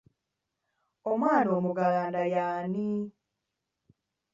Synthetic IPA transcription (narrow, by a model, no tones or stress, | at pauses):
omwaːnoːmuɡalaːndajaːni